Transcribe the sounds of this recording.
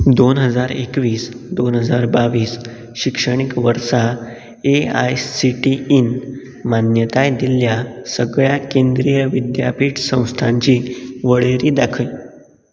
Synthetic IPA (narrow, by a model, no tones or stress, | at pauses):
d̪onɦəd͡zaɾekʋiːsd̪onɦəd͡zaɾbaʋiːs | ɕikʂəɽ̃ikʋəɾsa | ea̰jsiʈiin | manjət̪ajd̪iljasəɡɭjakend̪ɾijəʋid̪ja̰piːʈsə̃w̃st̪ʰaɲt͡ɕiːʋəɭeɾiːd̪akʰəj